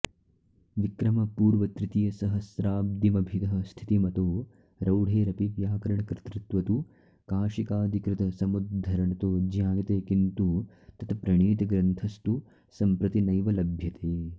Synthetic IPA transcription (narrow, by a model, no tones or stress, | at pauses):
ʋikɾɐmɐpuːɾʋɐt̪ɾɪt̪ijɐsɐɦɐsɾaːb̚d̪imɐbʱit̪ɐɦɐst̪ʰi̥t̪imɐt̪oː | ɾɐwɽ̤ʱeːɾɐpiʋjaːkɐɾɐɳɐkɾɪt̪ɾɪt̪ʋɐt̪u | kaːʃikaːd̪ʱikɾɪt̪ɐsɐmud̪d̪ʱːɐɾɐɳɐt̪oːd͡ʒjaːjɐt̪eːkint̪u | t̪ɐt̪ʰɐpɾɐɳiːt̪ɐɡɾɐnt̪ʰɐst̪u | sɐmpɾɐt̪inɐjʋɐlɐbʱjɐt̪eː